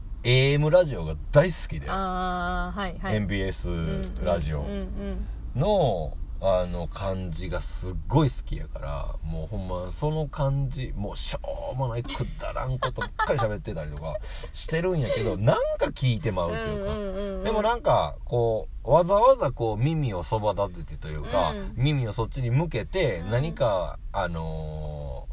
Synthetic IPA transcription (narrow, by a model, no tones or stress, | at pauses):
e̞ːemɯ̟ɾaʑio̞ɡad̪aisɨ̥kʲid̪ej | aẽ̞mbʲiːesɨɾaʑio̞̰ | no̞ | ano̞kʰãɲ̟d͡ʑiɡasɨɡːo̞isɨ̥kʲija̰ka̰ɾa̰mo̞ːhõ̞mːaso̞no̞kãɲd͡ʑimo̞ːɕoːmo̞naikʰɯ̟d̪a̰ɾã̰ŋko̞t̪ːomakːaɾiɕabe̞t̪ːe̞t̪aɾʲit̪o̞ka | ɕi̥t̪e̞ɾɯ̟̃ɰ̃jake̞d̪o̞nãŋkakʲiːt̪e̞maɯ̟t̪ːojɯ̟ːkad̪e̞mo̞nãŋka̰ko̞ː | βazaβazako̞ːmʲimʲio̞so̞bad̪at̪et̪ːet̪o̞jɯ̟ːka̰mʲimʲio̞so̞t̚ːiɲ̟imɯ̟ke̞t̪e̞naɲ̟ikaano̞